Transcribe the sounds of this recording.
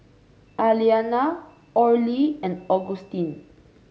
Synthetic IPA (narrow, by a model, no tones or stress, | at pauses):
ʔaliana | ʔɔɹliɛ̃nd̪oɡust̪ĩn